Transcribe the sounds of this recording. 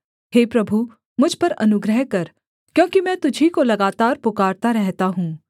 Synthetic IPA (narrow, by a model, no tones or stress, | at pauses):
ɦeːpɾɐbʱu | mʊd͡ʒʱpɐɾɐnʊɡɾəɦkɐɾ | kjõːkimɛ̃ːt̪ʊd͡ʒʱikolɐɡaːt̪aːɾpʊkaːɾt̪aɾɛɦt̪aɦũː